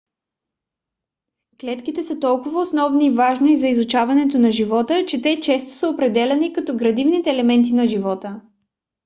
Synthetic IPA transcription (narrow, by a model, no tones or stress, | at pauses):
klɛt̪kit̪ɛsət̪ɔlˠkʊvɐosnɔvniːvaʒnoizɐizʊt͡ʃavɐnɛt̪onɐʒivɔt̪ət͡ʃɛt̪ɛt͡ʃɛst̪o̥səopɾɛd̪ɛlʲɛnikɐt̪ɔɡɾɐd̪ivnit̪ɛːlɛmɛnt̪̬inɐʒivɔt̪ə